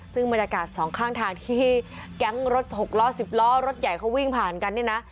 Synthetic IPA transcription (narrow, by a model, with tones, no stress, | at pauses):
sɯ˥˩ŋba˧njaː˧kaː˨˩t̪̚sɔː˩˦ŋkʰaː˥˩ŋt̪ʰaː˧ŋt̪ʰiː˥˩kɛ˦˥ŋɾo˦˥t̪̚ho˨˩k̚lɔː˦˥si˨˩p̚lɔː˦˥˩ɾo˦˥t̪̚ja˨˩jkʰa˦˥wi˥˩ŋpʰaː˨˩nka˧nːi˥˩na˦˥ʔ